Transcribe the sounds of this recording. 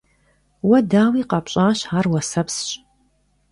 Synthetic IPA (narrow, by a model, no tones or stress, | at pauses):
wɐdaːwiːqɑːpɕʼaːɕaːrwɐsɐpsɕʼ